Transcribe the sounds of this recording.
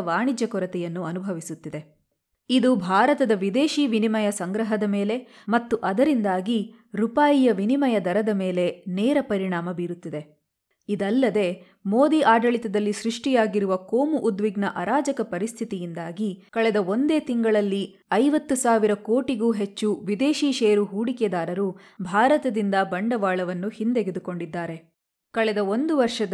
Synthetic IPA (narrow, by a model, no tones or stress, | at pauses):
ʋaːɳid͡ʒjɐkɔɾɐt̪ɛjɐnːuɐnubʱɐʋisut̪ːid̪e̞ | id̪ubʱaːɾɐt̪ɐd̪ɐʋid̪e̞ːʃiːʋinimɐjɐsɐŋɡɾɐɦɐd̪ɐme̞ːle̞ | mɐt̪ːuʔɐd̪ɐɾind̪aːɡi | ɾupaːjijɐʋinimɐjɐd̪ɐɾɐd̪ɐme̞ːle̞nɛːɾɐpɐɾiɳaːmɐbiːɾut̪ːid̪e̞ | id̪ɐlːɐd̪e̞ː | mo̞ːd̪iʔaːɖɐɭit̪ɐd̪ɐlːisɾuʂʈijaːɡiɾuʋɐkoːmuʔud̪ʋiɡnɐʔɐɾaːd͡ʒɐkɐpɐɾist̪ʰit̪ijind̪aːɡikɐɭɛd̪ɐo̞nd̪e̞ːt̪iŋɡɐɭɐlːi | ɐjʋɐt̪ːusaːʋiɾɐko̞ːʈiɡuːɦet͡ʃːuʋid̪eːʃiːʃeːɐɾuɦuːɽikɛd̪aːɾɐɾu | bʱaːɾɐt̪ɐd̪ind̪ɐbɐɳɖɐʋaːɭɐʋɐnːuhind̪eɡed̪ukoɳɖid̪ːaːɾe̞ | kɐɭɛd̪ɐo̞nd̪uʋɐɾʂɐ